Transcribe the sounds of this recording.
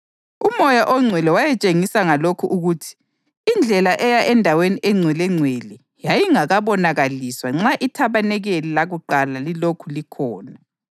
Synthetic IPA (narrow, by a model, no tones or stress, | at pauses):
umɔjaʔɔŋ͡ǀʱwɛlɛwajɛt͡ʃʼeŋisaŋalokʰuʔuɣutʰi̥ː | nd͡ɮʱɛlaʔɛjaʔɛndʱaweniʔɛŋ͡ǀʱwɛlɛŋ͡ǀʱweli | jajiŋaɣaβɔnaɣaliswaŋ͡ǁaʔitʰaβanɛɣelilaɣuǃalalilokʰulikʰɔːna